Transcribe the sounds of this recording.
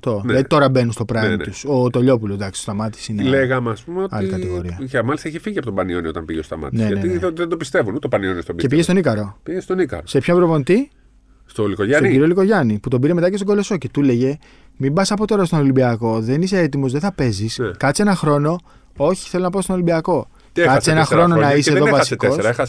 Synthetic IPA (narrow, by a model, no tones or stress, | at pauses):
t̪onlɐðit̪o̞ɾɐbe̞nunst̪o̞pɾɐt̪usot̪o̞ʎo̞p̬ulo̞zd̪ɐksi̥t̪ost̪ɐmɐt̪i̥sineleɣɐmeɐspumeotɐ̰likɐiɣo̞ɾiɐɐmɐlist̪ɐiçifiʝiɐpot̪obɐnioniot̪ɐmpiʝest̪ɐ̰mɐ̰t̪nieneiðend̪opist̪e̞vunut̪obɐnionist̪obicepiʝest̪onikɐɾo̞piʝest̪onikɐ̰ɾose̞pçombɾopo̞nit̪i | st̪olikoʝɐsntoiiɾioliko̞ʝɐniput̪o̞biɾe̞met̪ɐcest̪oɡo̞lo̞so̞ce̞t̪ule̞ʝe̞ | mimbɐsɐpo̞t̪o̞ɾɐst̪onolimbiɐko̞ðe̞nise̞et̪imo̞zðeθɐpe̞zisnkɐt͡se̞nɐxɾo̞no̞ | o̞çi̥θe̞lonɐpɐst̪onolimbiɐko̞ | t̪ieɐt͡senɐxɾo̞nonɐiseðovɐɐsietkosɐexɐs